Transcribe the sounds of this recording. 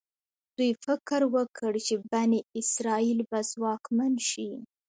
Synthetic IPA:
d̪̥ujfɪkɾwəkʰəɽt͡ʃebaneɪsɾɑilbazwɑkmanʃi

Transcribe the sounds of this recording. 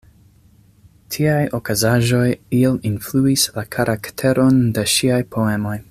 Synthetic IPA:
tʰiajo̞kazaʒo̞jielinfluislakʰaɾʔaktʰe̞ɾʔo̞nde̞ʃiajpʰo̞e̞mo̞j

